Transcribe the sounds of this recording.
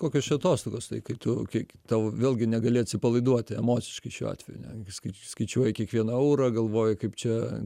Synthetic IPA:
koːkʲoːst͡ʃʲɛɐt̪oːst̪oːɡoːst̪ɐɪkɐɪt̪ʊkʲɐt̪ɑːʋoʋʲeːlˠʲɡʲɪnʲɛɡɐlʲeɐt̪ʲsʲɪpɐlˠɐɪd̪uɔt̪ʲɛmoːt͡s̪ʲɪʃkɐɪʃʲṵːɑ̰ːt̪ʲʋʲɛjʊnʲɛ̰skɐɪskɐɪt͡ʃʲuɔjɪkʲiɛkʋʲiɛnɐɐʊɾɐɡɐlˠʋoːjʊkɐɪpt͡ʃʲɛ

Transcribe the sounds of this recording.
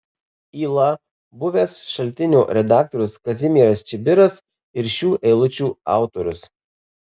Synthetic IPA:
iːlˠɐ | bʊʋʲeːsʃɐlʲt̪ʲɪnʲuːɾʲɛd̪ɑːk̚t̪ɔɾʲʊskɐzʲɪmʲiːɾɐst͡ʃʲɪbʲɪɾɐs | ɪɾʃʲuːʔɛɪlˠʊt͡ʃʲuːɑ̰ˑʊt̪ɔɾʲʊs

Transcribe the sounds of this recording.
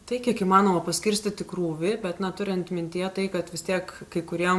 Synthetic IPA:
t̪ɐɪkʲiɛkiːmɑːnoːmɐpɐsʲkʲɪɾʲsʲt̪ʲɪt̪ʲɪkɾuːʋʲɪbʲɛt̪nɐt̪ʊɾʲɪnt̪mʲɪnʲt̪ʲijɛt̪ɐɪkɐt̪ʋʲɪst̪ʲiɛkkɐɪkʊɾʲiɛm

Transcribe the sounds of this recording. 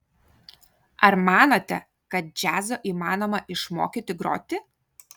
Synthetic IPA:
ɐɾmɑːnoːt̪ʲɛ | kɐt̪̚d͡ʒʲæːzoːʔiːmɑːnoːmɐʔɪʃmo̰ːkʲiːt̪ʲɪɡɾo̰ːt̪ʲɪ

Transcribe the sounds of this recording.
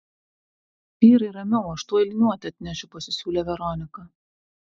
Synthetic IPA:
ʋʲiːɾɐɪɾɐmʲɛʊɐʃt̪uɔɪlʲnʲuɔt̪ʲɐt̪ʲnʲɛʃʲʊpɐsʲɪsʲuːlʲeːʋʲɛɾɔnʲɪkɐ

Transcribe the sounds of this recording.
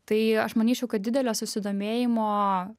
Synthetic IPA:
t̪ɐɪɐʃmɐnʲiːt͡ʃʲɛʊkɐt̪̚d̪ʲɪd̪ʲɛlʲoːsʊsʲɪd̪oːmʲeːjɪmoː

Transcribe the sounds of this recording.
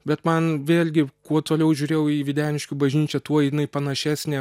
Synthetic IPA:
bʲɛt̪mɐnʋʲeːlʲɡʲɪkuɔt̪oːlʲɛʊʒʲʊːɾʲeːjɛʊiːʋʲɪd̪ʲæːnʲɪʃʲkʲʊbɐʒʲnʲiːt͡ʃʲɛt̪uɔɪnɐɪpɐnɐʃʲæːsʲnʲeː

